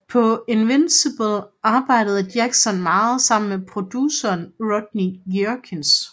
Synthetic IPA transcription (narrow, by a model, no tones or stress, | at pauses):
pʰɒ̽enʋensib̥əlʔɑ̈ːb̥ɑ̈ɪ̰ɾəð̞̩ˠd̥jæɡ̥sɒnmɑ̈ːð̩ˠsɑ̈m̰n̩mepʰʁo̝d̥jusɐːnʁɔd̥nijøkʰens